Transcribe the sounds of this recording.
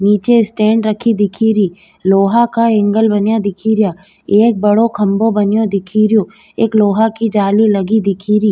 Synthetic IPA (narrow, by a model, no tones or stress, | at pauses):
niːt͡ʃeɪsʈẽːɳɖɾɐkʰid̪ɪkʰiːɾiː | loːɦakaɪ̃ŋɡəlbɐnjad̪ɪkʰiɾjaː | eːk̚bɐɽokʰɐ̃mbobɐnjõd̪ɪkʰiɾijõ | eːkloːɦakid͡ʒaːlilɐɡid̪ɪkʰiːɾiː